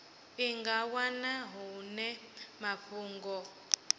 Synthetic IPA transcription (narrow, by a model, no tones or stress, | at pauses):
iŋɡawanaɦunɛmaɸuːŋɡɔ